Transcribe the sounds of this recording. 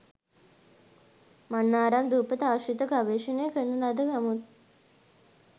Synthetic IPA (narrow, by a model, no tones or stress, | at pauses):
manːaːɾamd̪uːpət̪aːʃit̪əkaʋeːʃənəjəkənːulad̪əkamut̪̚